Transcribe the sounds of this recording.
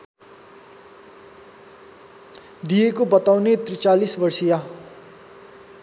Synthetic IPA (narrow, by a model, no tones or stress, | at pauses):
d̪ijekobʌt̪awnet̪rit͡salisbʌrsija